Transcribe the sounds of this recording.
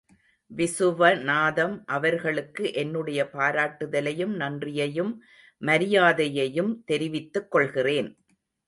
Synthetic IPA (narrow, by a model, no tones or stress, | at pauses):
ʋɪsɯʋɐnaːðɐmʔɐʋɐɾɣɐɭɯkːɯʔɛnːɯɽɐjɐpaːɾaːʈːɯðɐlɐjɯmnɐndrɪjɐjɯmː | ɐɾɪjaːðɐjɐjɯmt̪ɛɾɪʋɪt̪ːɯkːɔɭɣɪreːn